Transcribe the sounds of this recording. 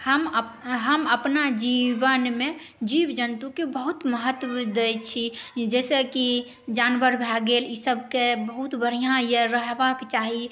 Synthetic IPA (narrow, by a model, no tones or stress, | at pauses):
həmɦəməpnad͡ʒibənme | d͡ʒibd͡ʒənt̪ukebəɦut̪məɦət̪ːd̪ejt͡ʃʰid͡ʒɛseki | d͡ʒanʋəɾbʱaɡelisəbʱkebəɦut̪bəɽ̤ijãjəɾəɦbakt͡ʃaɦi